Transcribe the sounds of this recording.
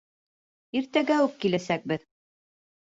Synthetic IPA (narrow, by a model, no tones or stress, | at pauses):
iɾt̪æɡæʉkkːilæsæk̚bɘð